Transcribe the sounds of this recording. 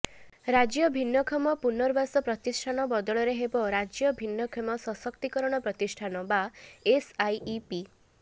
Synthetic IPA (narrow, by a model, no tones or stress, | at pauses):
ɾad͡ʒjɔbʱinːɔkʰɔmɔpunɔɾbasɔpɾɔt̪isʈʰanɔbɔd̪ɔɭɔɾeɦebɔɾad͡ʒjɔbʱinːɔkʰɔmɔsɔsɔkt̪ikɔɾɔɽ̃ɔpɾɔt̪isʈʰanɔbaesajʔipi